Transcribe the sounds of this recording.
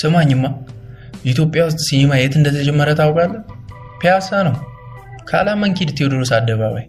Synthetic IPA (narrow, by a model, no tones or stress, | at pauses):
sɨmaɲːɨmːa | jit̪jo̞pʼːjawʊs̬t̪ʼsijemajet̪ɨnd̪ət̪ʰəd͡ʒɛmːəɾət̪ʰawkʼalːə | pʰeasanəw | kʰa̰lamːəŋkid̪t̪ʰːewd̪ɨɾosad̪ːəβa̰βa̰j